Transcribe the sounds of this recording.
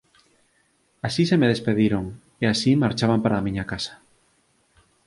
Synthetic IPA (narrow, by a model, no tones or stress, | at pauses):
asisemeðespeðiɾoŋ | easimaɾt͡ʃaβ̞ampaɾaːmĩɲakasḁ